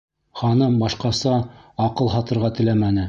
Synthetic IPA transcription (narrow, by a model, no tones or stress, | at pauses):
χɑnɤmbɑʃqɑsɑːqɤlˠɦɑt̪ɤ̆ɾʁɑt̪ɘ̆læmænɘ